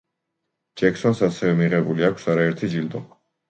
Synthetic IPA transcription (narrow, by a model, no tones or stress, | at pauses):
d͡ʒɛksɔnsasɛvɛmiʁɛbuliakʰsaɾaɛɾt̪ʰid͡ʒild̪ɔ